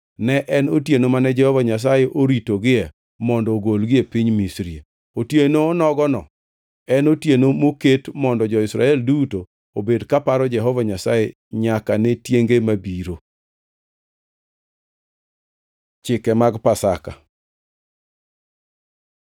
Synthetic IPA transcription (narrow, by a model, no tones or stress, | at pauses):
nɛʔɛnotjenomanɛd͡ʒɛhɔvaɲas̬ajeʔoɾitoɡɪɛ | mɔndɔɡolɡɪepɪɲmisɾie | otjenoːnɔɡɔnɔ̰ | ɛnotjenomoketmɔndɔd͡ʒɔɪsɾa̰ɛlduto | obedkapaɾɔd͡ʒɛɦɔvaɲasaje | ɲakanetjeŋɡemabiɾo | t͡ʃɪkɛmaɡpasa̰ka